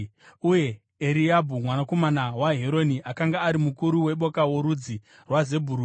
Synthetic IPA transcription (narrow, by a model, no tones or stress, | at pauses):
uje̞ː | ɾiabʱumwanako̞manawaɦeɾo̞niʔakaŋɡaːɾimukuɾuwe̞ɓo̞kawo̞ɾud͡zi | rwaze̞bʱuɾu